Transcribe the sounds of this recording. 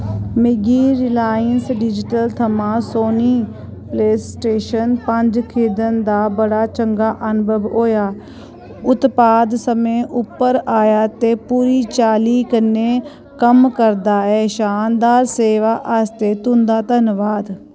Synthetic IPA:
mɪɡiːɾɪlaːjənsɖɪd͡ʒɪʈəlt̪ʰəmãːsoːniː | pleːsʈeːʃənpəɲd͡ʒkʰeːd̪ənd̪aːbəɽaːt͡ʃəŋɡaːʔənbəbɦoːjaː | ʊt̪paːd̪səmẽːʔʊpːəɾaːjaːt̪eːpuːɾiːt͡ʃaːliːkənːeː | kəmkəɾd̪aːɛːʃaːnd̪aːɾseːʋaːʔaːst̪eːt̪ʊ̃nd̪aːt̪ənʋaːd̪

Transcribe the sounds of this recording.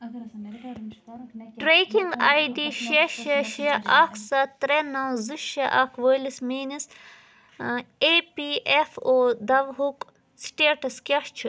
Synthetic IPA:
ʈɾekiŋɡaːjɖiʃeʃeʃeʔakʰsɐt̪ɾenɐwzɨʃɐʔakʰʋəːlismiːnis | epiʔefoːd̪ɐʋɦuk | sʈeːʈɐskʲɐʂt͡ʃʰi

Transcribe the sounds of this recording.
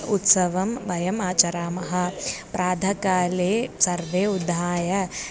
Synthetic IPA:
ut̪sɐʋɐmʋɐjɐmaːt͡ʃɐɾaːmɐɦɐ̆pɾaːd̪ʱɐkaːleːsɐɾʋeːud̪ʱaːjɐ

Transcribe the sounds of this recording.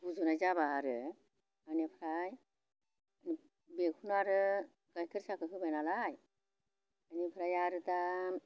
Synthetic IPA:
buzunajzabaːɾɯ | anepʰɾaj | ani | bekʰunaɾɯ | ɡ̥ajkʰɯɾsakʰɯɦɯbajnalaj | anipʰɾajaɾɯta

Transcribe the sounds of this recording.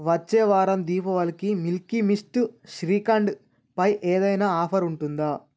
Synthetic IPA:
ʋɐt͡ʃːɛːʋaːɾɐmd̪iːpɐʋɐlikimilkimisʈʃɾiːkɐɳɖ | pɐjʔeːd̪ɐjnaːaːpʰɐɾuɳʈund̪aː

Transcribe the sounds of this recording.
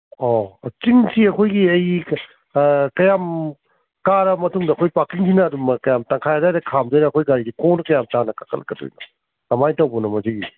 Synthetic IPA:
ɔt͡ʃiŋsiɐkʰojɡiɐj | kɐjam | kaɾɐmɐtuŋdɐkʰojpakiŋsʰinɐːdumɐkɐjamtaŋkʰajazajɾɐkʰamdojɾɐːkʰojɡaɾiɡikonkɐjamtanɐkakʰɐlɐ̰ɡɐdo̰jnɐ̰ | nɐmajtɐwbɔnɐmɐziɡi

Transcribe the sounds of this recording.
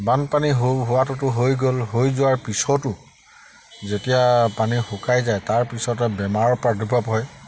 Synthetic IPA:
banpaniɦɦʊatʊtʊɦojɡolɦojzʊwaɹpisɔtʊ | zetijapanixukajzajtaɹpisɔtɛbɛmaɹɔpadʱibʱapɦɔj

